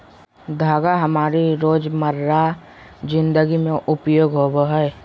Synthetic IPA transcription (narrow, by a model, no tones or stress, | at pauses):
d̪ʱaːɡaɦəmaːɾiɾoːd͡ʒməɾːa | d͡ʒɪ̃nd̪əɡimẽʔʊpjoːɡɦoboɦɛe